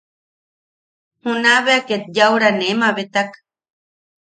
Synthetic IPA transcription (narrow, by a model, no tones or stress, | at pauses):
hunaβeaket̪̚jawɾanemaβet̪ak